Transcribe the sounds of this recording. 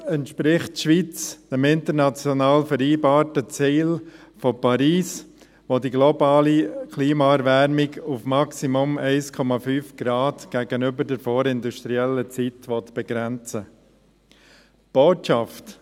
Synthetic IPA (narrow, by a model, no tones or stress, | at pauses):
ɛntʃpɾɪχtʃʋit͡sd̥ɛmɪntəɾnɑt͡sjɔnɑːlfəɾiːbɑːɾtət͡siːlfopʰɑɾiːs | ʋodiɡlobɑːlikʰliːmaɛɾvæɾmɪɡufmɑksimʊmɛɪskʰɔmɑfyːfɡ̥ɾɑːtɡ̥æɡənʏbədəɾfoːɾɪnduʃtɾiɛlːət͡sitʋɔtb̥ɛɡ̥ɾɛnt͡sə | b̥oːtʃɑft